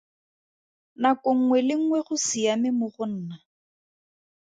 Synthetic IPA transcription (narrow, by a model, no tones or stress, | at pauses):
nakoŋ̩ŋwɛlɪŋ̩ŋwɛχʊsɪamɪmʊχʊn̩ːna